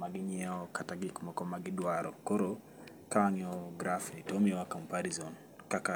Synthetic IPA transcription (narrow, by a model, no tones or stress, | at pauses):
maɡiɲiaɔkataɡikumɔkɔmaɡidwaɾɔkɔɾɔ | kaŋiɔɡɾafiitɔmiwakampaɾizɔn | kaka